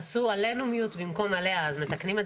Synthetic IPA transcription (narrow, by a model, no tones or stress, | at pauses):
suale̞numijut̪bimko̞male̞haːzme̞t̪aknime